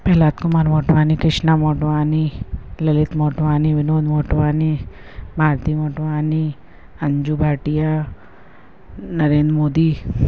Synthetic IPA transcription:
pɛlaːt̪kʊmaːɾmɔːʈʋaːnikɾɪʃnamɔːʈʋaːnilɐlɪt̪mɔːʈʋaːniʋɪnoːd̪moːʈʋaːnibʱaːɾt̪iːmɔːʈʋaːni | ɐɲd͡ʒubʱaːʈija | nɐɾeːnd̪ɾmoːd̪iː

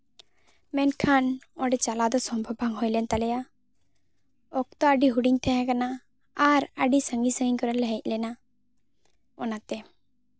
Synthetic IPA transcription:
mɛnkʰanɔɖɛt͡ʃalad̪ɔsɔmbʱɔbʱaŋɦɔjlɛnt̪alɛja | ɔk̚t̪ɔəɖiɦuɖiɲt̪ʰɛɦɛ̃kanaː | ɾəɖisəŋɡisəŋɡiɲkɔɾɛɾlɛɦɛjc̚ˀlɛna | ɔnat̪ɛ

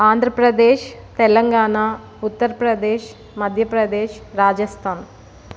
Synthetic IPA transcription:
aːnd̪ʱɾɐpɾɐd̪eːʃt̪ɛlɐŋɡaːɳaː | ut̪ːɐɾɐpɾɐd̪eːʃ | mɐd̪ʱjɐpɾɐd̪eːʃɾaːd͡ʒɐst̪ʰaːn

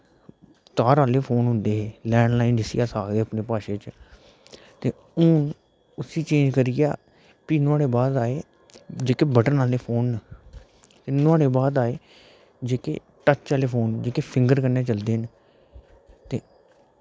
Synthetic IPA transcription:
t̪aːɾaːleːpʰoːnɦʊ̃nd̪eːɦeːlɛːɳlaːiːnɪsɪ̰jaːsaːɡd̪eːəpneːpaːʃeːt͡ʃ | t̪eː | ʊːn | ʊsiːt͡ʃẽːɲd͡ʒkəɾɪjaː | piːnaːɽeːbaːd̪aːeː | d͡ʒeːkeːbəʈənaːleːpʰoːnː | t̪eːnʊaːɽeːbaːd̪aːeː | d͡ʒeːkḛː | ʈət͡ʃt͡ʃaːleːpʰoːnd͡ʒeːkeːpʰɪŋɡəɾkəɾnːeːt͡ʃəld̪eːɦn | t̪eː

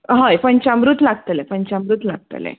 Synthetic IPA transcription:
ɦãjpəɲt͡ɕãmɾuːt̪laɡt̪əlepəɲt͡ɕãmɾuːt̪laɡ̚t̪ə̰lɛ̰̃

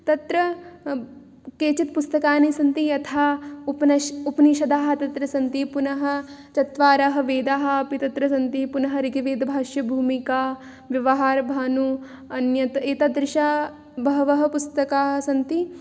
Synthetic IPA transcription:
t̪ɐt̪ɾɐ | keːt͡ʃit̪pust̪ɐkaːnisɐnt̪ijɐt̪ʰaːupnɐupniʃɐd̪aːɦɐ̆t̪ɐt̪ɾɐsɐnt̪ipunɐɦɐ̆t͡ʃɐt̪ʋaːɾɐɦɐ̆ʋeːd̪aːɦɐ̆ɐpit̪ɐt̪ɾɐsɐnt̪ipunɐɦɐɾɪɡiʋeːd̪bʱaːʃjɐbʱuːmikaː | ʋjɐʋɐɦaːɾbʱaːnu | ɐnjɐt̪eːt̪ɐd̪ɾɪʃaː | bɐɦɐʋɐɦɐpust̪ɐkaːɦɐ̆sɐnt̪i

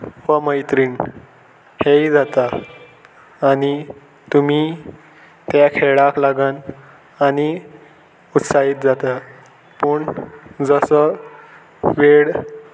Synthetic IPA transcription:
ʋəməjt̪ɾiːɳ | heid͡zat̪a | ɽ̃i | t̪umi | t̪jakʰeɭaklaɡan | aɽ̃i | ut̪saɦit̪̚d͡zat̪a | pəɳd͡zəsə | ʋeɽ

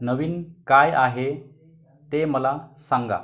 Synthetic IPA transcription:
nəʋinkajaɦe | t̪eməlasaŋɡa̰

